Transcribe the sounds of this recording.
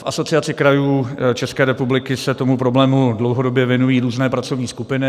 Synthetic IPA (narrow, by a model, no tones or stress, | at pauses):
fʔaso̞t͡sɪat͡sɪkɾajuːt͡ʃɛskɛːɾɛpublɪkɪsɛt̪o̞mupɾo̞blɛːmudlowɦodobjɛvjɛnujiːɾuːznɛːpɾat͡so̞vɲiːskupɪnɪ